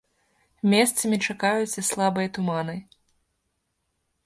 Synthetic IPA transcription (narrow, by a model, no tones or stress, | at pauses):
mʲɛst̪sɐmʲit͡ʂakajut͡sʲɐslˠabɨjɐt̪umanɨ